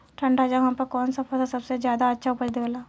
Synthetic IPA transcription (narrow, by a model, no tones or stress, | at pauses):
ʈʰɐ̃ɳɖɾaːd͡ʒaɦɦãpɐɾkɔːnsɐpʰəsasɐbsezjaːd̪aɐtːʃʰaʊpəɾd̪eʋəlaː